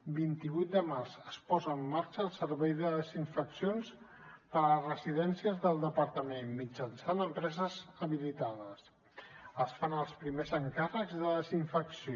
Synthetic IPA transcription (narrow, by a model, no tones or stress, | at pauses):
bint̪iβujt̪̚d̪əmarzəspɔzəːmːaɾt͡ʃəːlˠsəɾβɛjðəðəziɱfəksions | pəɾləzrəziðɛnsiəzðəlˠd̪əpəɾt̪əmenmːid͡ʒənsanəmpɾɛzəzəβilit̪aðəs | əsfanəlˠspɾimezəŋkarəɡzðəðəziɱfəksio